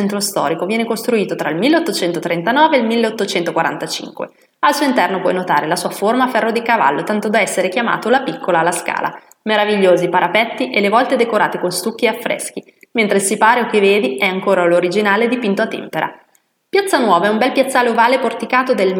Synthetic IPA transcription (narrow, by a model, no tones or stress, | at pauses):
ɛnt̪ɾost̪ɔ̰ːɾikovjɛːnekost̪ɾuiːt̪ot̪ɾailmilːeot̪ːot͡ʃɛnt̪ot̪ɾent̪anɔːveːlmilːeot̪ːot͡ʃɛnt̪okwaɾa̰nt̪at͡ʃḭŋkwḛ | alsuːoint̪ɛrnopwɔ̰jnot̪a̰ːɾelasuːaformafɛrːod̪ikava̰lːot̪ant̪od̪aɛsːeɾekjama̰ːt̪olapikʰːolaːlːaska̰ːlʔa̰ | meɾaviʎːoːzipaɾapɛt̪ːiʔelːevɔlt̪ed̪ekoɾaːt̪ekonst̪ukːieafːɾɛ̰sk̟i | ment̪ɾesipaːɾeokːeveːd̪iɛaŋkoːɾaloɾid͡ʒinaːled̪ipint̪oat̪ːɛ̰mpeɾa̰ | pjat̪sːanwɔːvaɛumbɛlpjat̪sːaːleovaːleport̪ikaːt̪od̪el